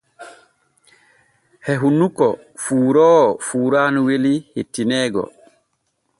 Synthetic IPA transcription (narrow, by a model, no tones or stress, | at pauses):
hɛɦunukɔ | fuːɾɔːfuːɾaːnuwelihetːinɛːɡɔ̰